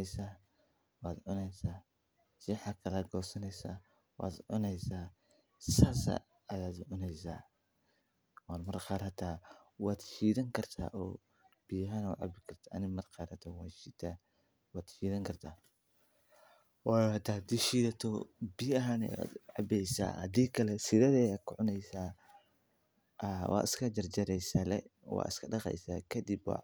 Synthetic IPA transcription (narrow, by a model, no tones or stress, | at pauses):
jsaː | wɑːd̪ʕʊnɛjsaː | sɪħakʰɐlɐɡɔːsɐnɛjsa̰ː | wɑ̰ːd̪ʕʊ̰nɛjsaː | saːsa̰ | ɐjaːd̪ʕʊnɛjsa̰ː | waːnmɐrqɑːɾhɐt̪ʰaːwaːd̪ʃiːðɐŋkʰɐrt̪ʰa̰ːʔɔː | b̥ijɐɦaːnʊ̰ʕɑ̰bɪkʰɐrt̪ʰaɐ̰nɪmɐrqɑːɾhɐt̪ʰɔwaːd̪ʃiːt̪ʰaː | wɑːd̪ʃiːðɐŋkʰɐrt̪ʰaː | waːht̪ʰaːd̪iʃiːðɐt̪ʰɔbiːjɐɦaːnɛja̰d̪ʕɑbɛjsa̰ːhɐ̰d̪iːkʰɐlɛsɪðɛðɛjakʰʊʕʊnɛjsaː | ʔwʔɑ̰ːɪ̰skʰɐd͡ʒɐrd͡ʒɐɾɛjsɐlɛ̰wɑ̰ːɪ̰skʰɐɖɑqɛ̰jsaːkʰɐd̪ibwɑ̰